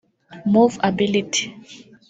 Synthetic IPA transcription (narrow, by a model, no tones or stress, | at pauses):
muvabilitʰi̥